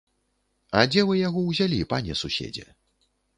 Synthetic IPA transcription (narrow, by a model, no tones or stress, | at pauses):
ɐd͡zʲɛvɨjaɣɔwzʲalʲipanʲɛsusʲḛd͡zʲɛ̰